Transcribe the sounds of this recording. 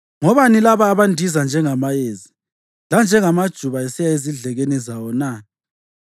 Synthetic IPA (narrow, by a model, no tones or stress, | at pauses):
ŋɔβanilaβaːβandʱizand͡ʒʱɛŋamajeːzi | land͡ʒʱɛŋamad̥ʒ̥ʱuβaɛsijaeziɮɛɣenizawɔna